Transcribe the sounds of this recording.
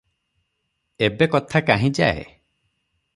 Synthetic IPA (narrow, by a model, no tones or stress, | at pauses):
ebekɔt̪ʰakaɦĩd͡ʒaḛ